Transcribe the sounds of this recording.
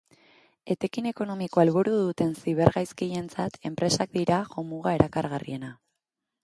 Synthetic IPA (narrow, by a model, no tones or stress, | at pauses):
e̞t̪e̞kine̞ko̞no̞miko̞alβuɾuðut̪e̞nsiβ̞e̞ɾɣajskiʎe̞nt͡sat̪e̞mpɾe̞sak̚d̪iɾaʝo̞muɣae̞ɾakaɾɣarḭe̞na